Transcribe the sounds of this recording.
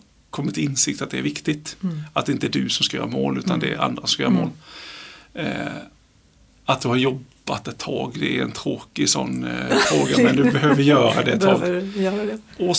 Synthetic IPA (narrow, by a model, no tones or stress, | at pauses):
kʰɔmːɪt̪ʰːɪnsɪk̚t̪at̪d̪ɛæɾvɪkt̪ɪt̪at̪d̪ɛɪnt̪əæd̪ɵsɔmskajœːɾamoːlʉ̟ːt̪and̪ɛɾa̰nd̪ɾasɔskajœːɾamo̰ːl | at̪̚d̪ɵhaɾjɔbːat̪ɛt̪ʰːɑːɡd̪ɛæɾɛ̰nt̪ʰɾoːkɪsɔ̰nːfɾoːɡamɛnd̪ɵbɛɦøːvvɪjœːɾad̪ɛɛt̪ʰːɑːɡːɾɔ